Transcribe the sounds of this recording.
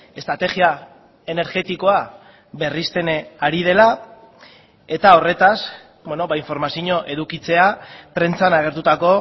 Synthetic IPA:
e̞st̪ɾat̪e̞ɣia | e̞ne̞ɾɣe̞t̪iko̞a | be̞rist̪e̞naɾið̞e̞la | e̞t̪ao̞re̞t̪as | beno̞βaiɱfo̞ɾmasiɲo̞ʔe̞ðukit͡se̞apɾe̞nt͡sanaɣ̞e̞ɾt̪ut̪ako̞

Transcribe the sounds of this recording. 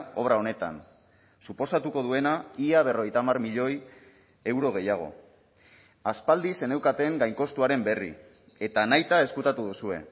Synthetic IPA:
o̞βɾao̞ne̞t̪a̰n | supo̞sat̪uko̞ð̞ue̞naiaβ̞e̞ro̞ɣe̞jt̪amarmiʎo̞j | e̞wɾo̞ɣ̞e̞jaɣ̞o̞̰ | aspald̪ise̞ne̞wkat̪e̞ŋɡajŋko̞st̪uaɾe̞mbe̞rḭ | e̞t̪anajt̪ae̞skut̪at̪uðusue̞̰

